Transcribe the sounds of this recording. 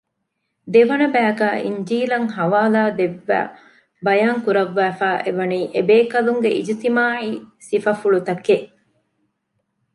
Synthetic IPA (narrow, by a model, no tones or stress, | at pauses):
d̪eʋɐnɐbæːɡæːʔiɲd͡ʒiːlɐŋɦɐʋaːlaːd̪eʋːæ̰ː | bɐjaːŋkuɾɐʋːæːfæːʔeʋɐniːʔebeːkɐluŋɡeʔḭd͡ʒit̪imaːʕiːsifɐfuɭut̪ɐkeʔ